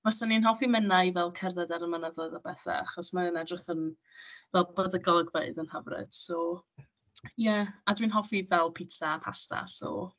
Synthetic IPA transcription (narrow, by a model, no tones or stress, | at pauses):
vɛsaninɦɔfimənajvɛlˠkʰɛrðadaɾəmənəðɔðabɛθa̰aχɔsmanənɛdrɪχən | vɛlˠb̥əðəɡɔlˠəɡvəɨðənhəvrɨ̰d̥sɔ | jɛadwinɦɔfivɛlˠpʰɪtʰapʰa̰sta̰sɔ̰